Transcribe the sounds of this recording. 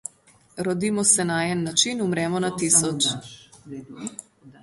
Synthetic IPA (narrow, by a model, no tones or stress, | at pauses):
ɾɔd̪iːmɔsɛnaɛnːat͡ʃinumɾɛmɔnat̪isɔt͡ʃ